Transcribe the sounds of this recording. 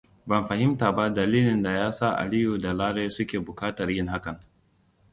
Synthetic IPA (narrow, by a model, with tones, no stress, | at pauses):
bɐ˨mɸa˨ɦɪ˦mtaː˨ba˦dɐ˨liː˦lɪ˨nda˨jaː˦saː˦˨ʔa̰˨li˦ju˨da˨laː˦ɽeː˦sʊ˦kʲeː˨bʊ˨kaː˦tɐ˨rjɪ˦ŋɦa˦kɐ˨ŋ